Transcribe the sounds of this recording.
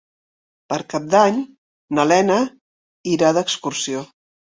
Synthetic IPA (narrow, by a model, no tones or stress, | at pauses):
pəɾkap̚d̪aɲ | nəlɛnə | iɾaðəkskursio